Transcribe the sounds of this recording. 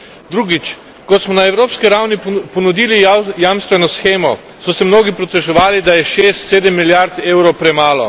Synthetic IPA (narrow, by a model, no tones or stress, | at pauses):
d̪ɾuːɡit͡ʃ | kɔt̪smɔnaɛwɾoːpskiɾawnipɔnud̪iːlijamst̪ʋɛnɔsxeːmɔ | sɔsɛmnoːɡipɾɔt̪ɛʒɛʋaːlid̪ajɛʃeːst̪seːd̪ɛmːiljaɾt̪eːwɾowpɾɛmaːlɔ̰